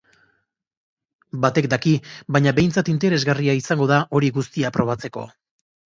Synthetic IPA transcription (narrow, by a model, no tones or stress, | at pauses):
bat̪e̞k̚d̪akiβaɲaβe̞jnt͡sat̪int̪e̞ɾe̞zɣariaisaŋɡo̞ð̞aʔo̞ɾiɣust̪iapɾo̞β̞at͡se̞ko̞̰